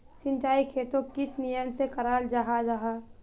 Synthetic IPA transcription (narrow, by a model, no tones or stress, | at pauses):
sɪ̃nt͡ʃaːikʰeːt̪õkɪsnijəmsekəɾaːld͡ʒaɦad͡ʒaɦa